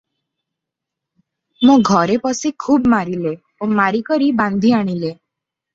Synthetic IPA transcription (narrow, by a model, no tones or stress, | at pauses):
mũɡʱɔɾepɔsikʰuːbmaɾile | omaɾikɔɾiband̪ʱiaɽ̃ile